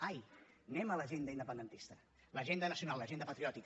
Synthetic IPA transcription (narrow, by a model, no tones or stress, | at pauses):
aj | nɛmələʒend̪əind̪əpənd̪ənt̪ist̪ə | ləʒend̪ənəsiunalˠlːəʒend̪əpət̪ɾiɔt̪ik